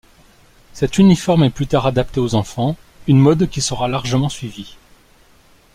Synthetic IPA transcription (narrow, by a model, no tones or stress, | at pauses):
sɛt̪ynifɔʁmɛplyt̪aʁad̪apt̪eozɑ̃fɑ̃ | ynmɔd̪kʲisəʁalaʁʒəmɑ̃sɥivi